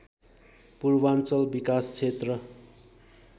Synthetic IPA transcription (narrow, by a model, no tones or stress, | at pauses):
purbant͡sʌlbikast͡sʰet̪rʌ